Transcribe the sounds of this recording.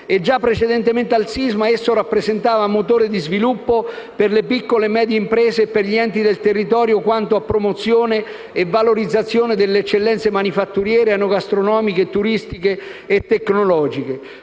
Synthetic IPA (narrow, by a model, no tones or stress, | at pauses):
ed͡ʒːapːɾet͡ʃed̪ɛnt̪ement̪ealsizmaesːoɾapːɾezent̪aːvamot̪oːɾed̪izvilupːo | perlepikːolemɛːd̪jeimpɾɛːzepːerʎiɛnt̪id̪elt̪erːit̪ɔːɾjokwant̪oapːɾomot̪sːjoːneː | vːaloɾid̪zːat̪sːjoːned̪elːeɛt͡ʃːelːɛnt̪semanifat̪ːuɾjɛːɾeanoɡast̪ɾonɔːmiket̪uɾist̪ikeːt̪ːekːnolɔːd͡ʒike